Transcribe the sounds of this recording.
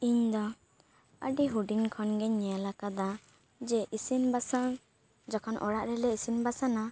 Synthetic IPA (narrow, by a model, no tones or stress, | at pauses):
iɲd̪ɔ | əɖiɦuɖinkʰɔnɡɛɲːɛjalakad̪a | d͡ʒɛʔisinbasan | d͡ʒakʰɔnʔɔ̰ɽaʔɾɛlɛisinbasana